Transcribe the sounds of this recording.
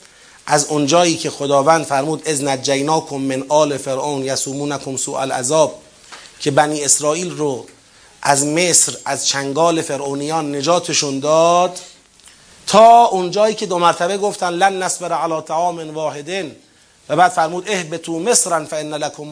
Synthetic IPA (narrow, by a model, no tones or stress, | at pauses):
ʔæzond͡ʒɒːʔiːcʰe̞xod̪ɒːvænd̪fæɾmuːd̪ʔeznæt̪̚d͡ʒæjnɒːkʰomːenʔɒːlefeɾʔownjæsuːmuːnækʰomsuːʔæ̰lʔæ̰zɒːb̚ | cʰe̞bæniːe̞sɾɒːʔiːlɾo | ʔæzme̞sɾæzt͡ʃʰæŋɡɒːle̞fe̞ɾʔoːnijɒːnːe̞d͡ʒɒːt̪ʰe̞ʃund̪ɒːd̪ | t̪ʰɒːond͡ʒɒːiːcʰed̪omæɾt̪ʰæbeɡoft̪ænlænːæsbeɾʕalɒːt̪ʰaʕɒːmenvɒːhe̞d̪en | væbæːd̪̥fæɾmuːd̪e̞hbet̪ʰuːme̞sɾænfæenːælækʰom